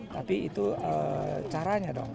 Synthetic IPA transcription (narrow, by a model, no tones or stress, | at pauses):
t̪apiḭt̪uət͡ʃaɾaɲadɔ̰ŋ